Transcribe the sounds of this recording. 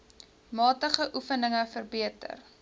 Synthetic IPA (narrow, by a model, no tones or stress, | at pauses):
mɑːtəχəʔufənəŋəfərbiətə̰r